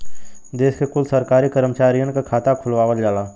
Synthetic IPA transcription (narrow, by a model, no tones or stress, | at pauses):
d̪eːskekʊlsəɾkaːɾikəɾəmt͡ʃaːɾijənkakʰaːt̪akʰʊlʋaːʋəld͡ʒaːlaː